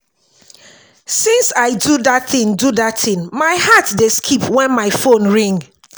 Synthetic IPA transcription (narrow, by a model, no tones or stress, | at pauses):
sĩnsaɪduðatθɪ̃ndudatθɪ̃nmaɪhatdeskʰipʰwɛ̃nmaɪfõnɹĩŋɡ